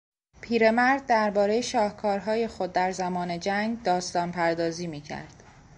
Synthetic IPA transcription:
pʰiːɾe̞mæɾd̪̚ːæɾbɒːɾe̞jeʃɒːhkʰɒːɾɦɒːje̞xo̞d̪ːæɾzæmɒːne̞d͡ʒæŋɡd̪ɒːst̪ɒːnpʰæɾd̪ɒːziːmiːcʰæ̰ɾd̪̥

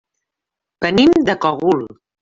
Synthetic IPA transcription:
pənimd̪əkɔɣul

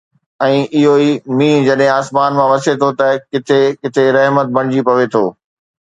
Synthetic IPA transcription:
ɛ̃ːʔɪɦoiːmĩːd͡ʑɐɗɦẽaːsmaːnmãʋɐset̪ʰot̪ɐkɪt̪ʰekɪt̪ʰeɾɐɦmət̪̚bɐɽ̃ɪd͡ʑipɐʋet̪ʰoː

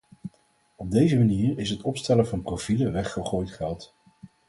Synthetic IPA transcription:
ɔb̚dejzəmaniːɹɪsɦətɔpstɛləvɑnprofiləʋɛχːəχoːjtχɛlˠt

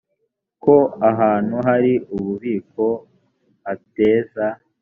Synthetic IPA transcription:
ko̞aɦaːn̥huɦaɾiuβuβiːko̞ | ate̞ːza

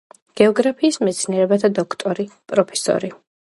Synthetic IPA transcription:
ɡ̥ɛɔɡɾapʰiːsmɛt̪sʰniɛɾɛbat̪ʰad̪ɔkʰt̪ʼɔɾipʼɾɔpʰɛ̥sɔ̰ɾi

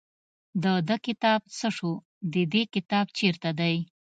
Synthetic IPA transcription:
d̪əd̪əkɪt̪ɑb̚t͡səʂu | d̪əd̪ekɪt̪ɑb̚t͡ʃeɾt̪ad̪aj

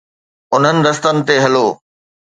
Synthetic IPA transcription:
ʊn̤ənɪ̆d̪ɐst̪ənɪ̆t̪eɦɐloː

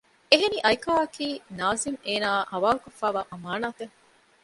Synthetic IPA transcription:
eɦeniʔɐjkaːɐkiːnaːzimeːnaːhɐʋaːlukofːæːʋaːʔɐmaːnaːt̪eŋ

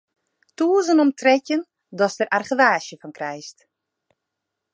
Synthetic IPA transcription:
tuəzənɔmtʰrɛcjən | dɔstərʔarχəʋaːʃjəfɔnkrɛjst

